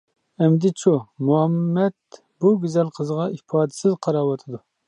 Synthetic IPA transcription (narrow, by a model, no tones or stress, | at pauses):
ɛmd̪ɪt͡ʃʰumuɛmːɛd̪̚ | buɡʲyzɛlqʰəzʁɑʔipʰɑːd̪ɪ̥sɪzqʰɑɾɑːwɑt̪ʰɨd̪u